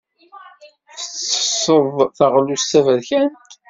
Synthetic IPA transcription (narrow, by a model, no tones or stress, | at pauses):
θət͡sːə̥sˤːəðˤθɑʁlust̪ːævæðçænt̪